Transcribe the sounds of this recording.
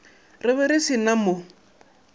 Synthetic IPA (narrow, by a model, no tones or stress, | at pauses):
rɪβɛɾɪsinamo